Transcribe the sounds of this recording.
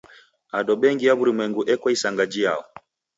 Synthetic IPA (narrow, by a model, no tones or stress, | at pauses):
aɗɔɓɛŋɡijaβuɾimwɛŋɡuʔɛkwaisaŋɡad͡ʒija̰ɔ̰